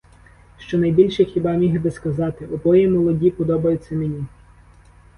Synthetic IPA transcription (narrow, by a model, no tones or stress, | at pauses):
ʃt͡ʃɔnɐjbʲilʲʃɛxʲibɑmʲiɦbɪskɐzɑt̪ɪʔɔbɔjɛmɔlˠɔdʲipɔd̪ɔbɐjʊt͡sʲːɐmenʲi